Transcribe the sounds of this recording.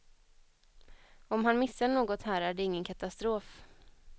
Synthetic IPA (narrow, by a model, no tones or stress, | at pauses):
ɔmɦanmɪsːaɳoːɡɔt̪hæːɾæɖɛɪŋːənkʰat̪ast̪ɾoːf